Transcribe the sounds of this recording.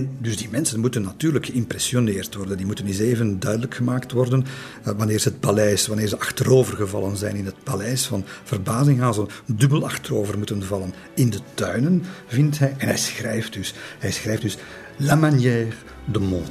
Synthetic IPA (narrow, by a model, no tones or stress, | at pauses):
ɛndɵzdiːmɛnsənmutənːatyːrləkxəɪmprɛsioneːrtʋɔrdəndiːmutənɪseːvəndœɥdələkxəmaːktʋɔrdən | ʋɑnɪːrzəət̚palɛjsʋɑneːrzəʔɑxtəɾoːvərɣəvɑ̰lˠənzɛ̰jnɪnət̚palɛjsfɑnv̥ərbaːzɪŋɦaːnzədɵbəlɑxtəroːvərmutənvɑlən | ɪndətœɥnənvɪntɦɛjʔɛnɦɛjsxrɛjftdʏsɦɛjsxrɛjfdʏs | lamanjɛːr | dəmɔnt